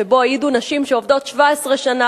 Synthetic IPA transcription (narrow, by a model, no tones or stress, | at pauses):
ebo̞ajidunaʃimʃeovdo̞tʃvaesʁe̞ʃana